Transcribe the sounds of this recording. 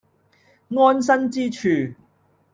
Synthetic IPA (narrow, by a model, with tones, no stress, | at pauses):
ŋɔː˥ns̬ɐ˥nt͡siː˥t͡ʃʰyː˨